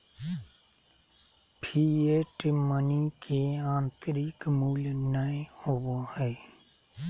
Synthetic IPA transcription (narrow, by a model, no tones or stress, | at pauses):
pʰiːeʈɪmənikʰeãːnt̪əɾikmuːlnəẽhowohɛː